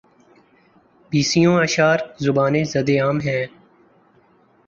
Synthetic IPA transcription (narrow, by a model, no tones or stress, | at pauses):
biːsijõːəʃaːɾzʊbaːneːzɐd̪eːaːmɦɛ̃ː